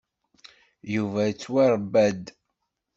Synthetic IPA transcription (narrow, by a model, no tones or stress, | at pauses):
juvæt͡sːwæɾˤbːæd̪